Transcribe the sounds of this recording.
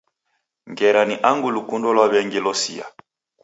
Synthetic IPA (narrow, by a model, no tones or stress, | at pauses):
ŋɡɛɾaniʔaŋɡulukundɔlwaβɛŋɡilɔsḭa̰